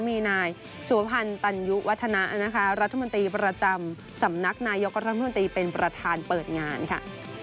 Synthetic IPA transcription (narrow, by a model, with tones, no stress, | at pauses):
miː˧naː˧j | su˨˩˦ɐ˦pʰa˧nt̪a˧nju˦˥wʔa˦˥t̪ʰːa˧na˦˥ʔna˦˥kʰa˦˥ɾa˦t̪ʰːmo˧nt̪ɾiː˧pɾa˧t͡ɕa˧m | sa˩˦mna˦˥k̚naː˧jo˦˥k̚ɾa˦t̪ʰa˧˥mo˧nt̪ɾiː˧pe˧npɾa˧t̪ʰaː˧npɤː˨˩t̪̚ŋaː˧nkʰa̰˥˩ʔ